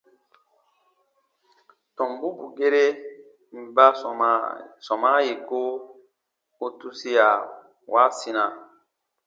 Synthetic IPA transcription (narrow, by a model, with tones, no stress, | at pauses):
tɔ̃˨mbu˦ku˨ɡe˦ɾe˦ | m̩˨ba˦˨sɔ˨ma˦je˨ko˦ | o˦tu˦si˦ja˨ | wa˦si˦na˨